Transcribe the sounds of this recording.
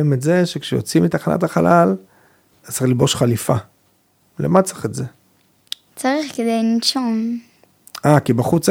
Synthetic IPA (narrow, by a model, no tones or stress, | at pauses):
imetzeʃekʃejo̰t͡simit̪aχanʔa̰t̪aχalal | asalibo̞ʃχalifa | lḛmat͡saχetze | t͡saʁiχked̪ejninʃom | akibaχut͡s